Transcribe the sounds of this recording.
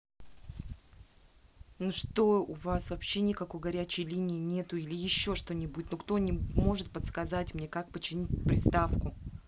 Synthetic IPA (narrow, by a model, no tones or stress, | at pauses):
nuʂt̪o̞ʊvasvɐpɕːe̞nʲɪkɐko̞jɡɐɾʲæt͡ɕɪjlʲinʲɪɪnʲe̞t̪ʊilʲɪjɪɕːo̞ʂt̪o̞nʲɪbudʲɪt̪nokt̪onʲɪmo̞ʐɨt̪̚pət̪skɐzatʲmnʲe̞kak̚pət͡ɕːɪnʲit̚ʲpɾʲɪst̪afkʊ